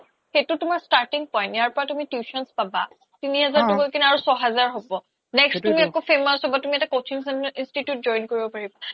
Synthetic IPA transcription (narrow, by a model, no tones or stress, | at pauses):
xetʊtumaɹstaɹtiŋpɔjntjaɹpɔɹatumitjuʃɔnspaba̰ | tiniɦɛzaɹtukolkinaɹusɔɦɛzaɹɦobɔ | nɛkstumiɛkofʰemasɔbatumiɛtakowt͡ʃʰiŋsɛnʔinstitjut̚zɔjnkoɹibɔpaɹiba